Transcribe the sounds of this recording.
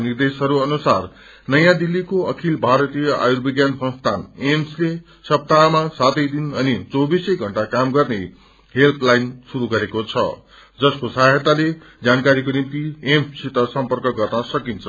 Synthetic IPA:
nird̪esɦʌɾuʌnusar | nʌjãd̪ilːikoʌkʰilbʱaɾʌt̪ijʌʔa̰jurbiɡjansʌ̃nst̪ʰanemsle | sʌp̚t̪amasat̪ʌjd̪inʌnit͡sowbisʌjɡʱʌɳʈakamɡʌrne | ɦelt̪ʰlajnsuɾuɡʌɾekot͡sʰʌ̰ | d͡zʌskosaɦʌt̪ale | d͡zankaɾikonimt̪iemsit̪ʌsʌmpʌrkʌɡʌrnʌsʌkint͡sʰʌ

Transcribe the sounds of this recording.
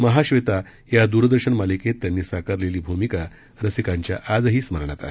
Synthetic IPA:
məɦaɕʋet̪a | jad̪uɾəd̪əɾɕəɳmaliket̪ːjanːiːsakəɾleliːbʱumika | ɾəsikaɲt͡ɕja̰ʔad͡zɦiːsməɾɳat̪a̰ɦe

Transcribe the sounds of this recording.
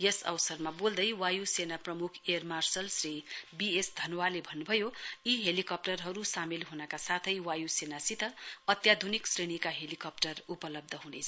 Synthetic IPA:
jesʌ̰wsʌrmabold̪ʌjwajusenaprʌmukʰermarsʌlsribiesd̪ʱʌnwalebʱʌnːubʱʌjoiɦelikʌp̚ʈʌrɦʌɾusamilɦunʌkasat̪ʰʌjwajusenasit̪ʌʌt̪jad̪ʱuniksreɽ̃ikaɦelikʌp̚ʈʌrupʌlʌb̚d̪ʱʌɦunḛt͡sʰʌ̥

